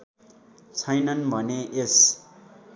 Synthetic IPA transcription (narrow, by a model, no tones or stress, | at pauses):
t͡sʰʌjnʌnbʱʌneʔes